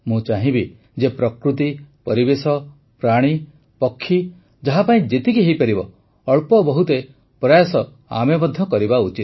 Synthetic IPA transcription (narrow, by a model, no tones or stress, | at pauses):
mũt͡ʃaɦĩbi | d͡ʒepɾɔkɾut̪̬ipɔɾibesɔ | pɾaɽ̃i | pɔkʰːi | d͡ʒaɦapaĩd͡ʒet̪ikiɦejpaɾibɔː | ɭpɔbɔɦut̪e | pɾajasɔ | a̰mebɔd̪ʱːjɔkɔɾibaut͡ʃit̪̚